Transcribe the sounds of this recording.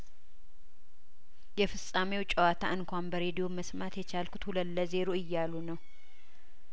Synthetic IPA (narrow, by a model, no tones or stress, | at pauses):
jɛfɨsʼamewt͡ʃʼɛwat̪ʰaʔɨŋkʷanbəɾe̞d̪ijo̞məsmat̪jɛt͡ʃalkʰu̥t̪huləlːəze̞ɾoɨjːalunəw